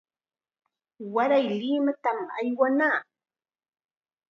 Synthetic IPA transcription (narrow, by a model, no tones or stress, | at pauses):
waɾajlɪmat̪amajwanaː